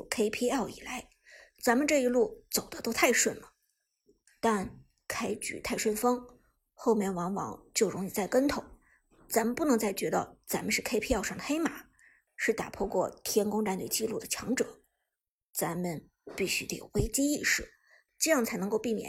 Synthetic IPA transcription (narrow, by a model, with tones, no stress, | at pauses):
kʰe˥ɪpʰi˥ɛ˥˩ʊḭ˨˩la˧˥ɪ | t͡sa˧˥nmə˨˧ʈ͡ʂɤ˥˩i˧˥lu˥˩t͡so˨˩ʊd̪ə˦t̪o˥ʊt̪ʰa˥˧ɪʂwə˥˩nlə˩ | t̪a˥˧n | kʰa˥ɪt͡ɕy̰˨˩t̪ʰa˥˧ɪʂwə˥˩nfɑ˥ŋ | xo˥˧ʊmjɛ˥˩nwɑ˧˥ŋwɑ̰˧˥ŋt͡ɕjo˥˩ʊɻʊ˧˥ŋi˨˩t͡sa˥˩ɪkə˥nt̪ʰo˨˩˦ʊ | t͡sa˧˥nmə˨npu˥˩nɤ˧˥ŋt͡sa˥˩ɪt͡ɕɥɛ˧˥t̪ɑ˥˩ʊt͡sa˧˥mə˧ʂɻ̩˥˩kʰe˥ɪpʰi˥ɛ˥˩ʊʂɑ˥˩ŋd̪ə˩xe˥ɪma˨˩˦ | ʂɻ̩˥˩t̪a̰˨˩pʰwɔ˥˧kwɔ˥˩t̪ʰjɛ˥nkʊ˥ŋʈ͡ʂa˧˥nwḛ˨˩ɪt͡ɕi˥˧lu˥˩d̪ə˩t͡ɕʰjɑ˧˥ŋʈ͡ʂɤ˨˩˦ | t͡sa˧˥nmə˧n | pi˥˩ɕy˥t̪o̰˨˩we˥ɪt͡ɕi˥i˥˧ʂɻ̩˥˩ | ʈ͡ʂɤ˥˧jɑ˥˩ŋt͡sʰa˧˥ɪnɤ˧ŋko˥˧ʊpi˥˩mjɛ̰˨˩n